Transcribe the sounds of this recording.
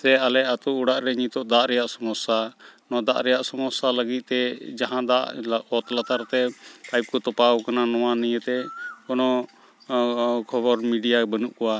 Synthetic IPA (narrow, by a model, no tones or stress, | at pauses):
sɛalɛat̪uuɽaʔɾɛɲit̪ɔʔd̪aʔɾɛjaʔsɔmɔsːanɔd̪aʔɾɛjaʔsɔmɔsːaləɡit̪̚t̪ɛd͡ʒaɦãd̪aʔɔt̪lat̪aɾt̪ɛpajp̚kɔt̪ɔpawkananɔwanijət̪ɛkɔnɔ | kʰɔbɔɾmiɖijabənuʔkɔwa